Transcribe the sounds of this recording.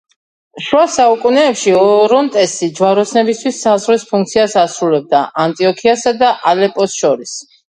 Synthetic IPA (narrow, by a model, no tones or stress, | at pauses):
ʃwasaukʼunɛːpʃiɔɾɔnt̪ʼɛst̪id͡ʒwaɾɔsnɛbist̪ʰwisːazʁwispʰuŋk̚t̪sʰiasasɾulɛb̚d̪aʔant̪ʼiɔkʰiasad̪aʔalɛpʼɔsʃɔɾis